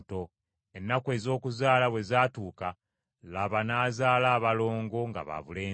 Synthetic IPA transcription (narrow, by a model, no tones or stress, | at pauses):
to̞ | enːakwe̞ːzo̞ːkuzaːlaβwe̞zaːtuːka | laβanaːzaːlaːβalo̞ːŋɡo̞ŋɡa̰βa̰βuleː